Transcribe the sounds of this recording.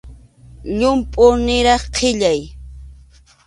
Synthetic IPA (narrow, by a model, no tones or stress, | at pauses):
ʎʊmpʼʊnɪɾɑχqʰɪʎaj